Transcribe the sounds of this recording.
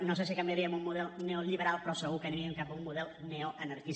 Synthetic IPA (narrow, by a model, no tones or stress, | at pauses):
nosesikɐmbiaɾiəmummuðɛlˠneoʎiβəɾalˠpɾɔsəɣukəniɾiəŋkap̚umːuðɛlˠnɛoʔənəɾkis